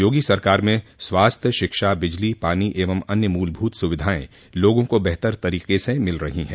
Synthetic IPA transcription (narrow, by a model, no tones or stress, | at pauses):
joːɡisɐɾkaːɾmẽswaːst̪ʰjəʃɪkʃabɪd͡ʒlipaːniʔeːʋəmɐnjəmuːlbʱuːt̪sʊʋɪd̪ʱaːḛ̃ | loːɡõkobɛɦt̪əɾt̪ɐɾiːqesemɪlɾɐɦiɦɛ̰̃ː